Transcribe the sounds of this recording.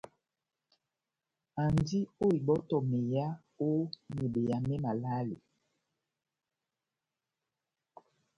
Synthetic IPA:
a˨ndi˦o˦i˨bɔ˦tɔ˨me˨ja˦ | o˦ne˨be˨ja˨mɛ˦ma˨la˦lḭ˨

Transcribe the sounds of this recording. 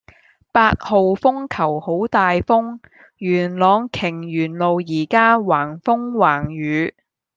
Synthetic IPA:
paː˧t̚ho˨wfʊ˥ŋkʰɐ˨˩who˨˥wt̪aː˨jfʊ˥ŋ | jyː˨˩nlɔː˨˧ŋkʰɪ˨˩ŋjyː˨˩nlo˨wjiː˨˩kaː˥waː˨˩ŋfʊ˥ŋwaː˨˩ŋjyː˨˧˥

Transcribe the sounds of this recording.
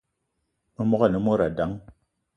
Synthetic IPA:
mɔ˦a˦˨ni˨˦mo˦ɾa˨da˨˦ŋ

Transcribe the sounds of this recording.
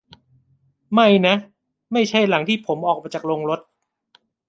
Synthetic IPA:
ma˥˩jna˦˥ʔ | ma˥˩jt͡ɕʰa˥˩jla˩˦ŋt̪ʰiː˥˩pʰo˩˦mʔɔː˨˩k̚maː˧t͡ɕaː˨˩lo˧ŋɾo˦˥t̪̚

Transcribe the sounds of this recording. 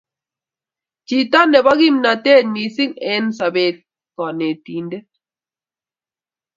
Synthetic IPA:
t͡ʃi˨ta˦nɛ˨ba˦ɡi˦mna˨te˦˨t̚mi˨si˦ŋɛ˨˦nsa˨be˨t̚ | kɔ˨ne˨ti˨nde˦

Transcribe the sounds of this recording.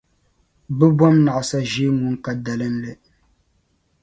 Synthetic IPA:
bɨ˦bwa˦mna˨ʔa˨sa˦ʒi˦ŋu˦ŋ˦ka˦da˨lɨ˦n̩˦lɨ˦˨

